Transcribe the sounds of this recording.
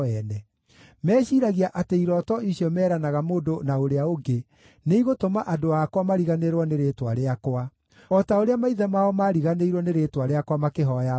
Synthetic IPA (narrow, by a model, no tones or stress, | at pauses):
ɛnɛ | mɛːɕiːɾaɣiaʔateiɾɔtɔiɕiɔmɛːɾanaɣamoːdonaoɾeaoɡe | neiɣotomaʔadoakwamaɾiɣaneɾwɔneɾetwaɾeakwa | ɔtaoɾeamaiðɛmaɔmaːɾiɣaneiɾwɔneɾetwaɾeakwamakeɦɔja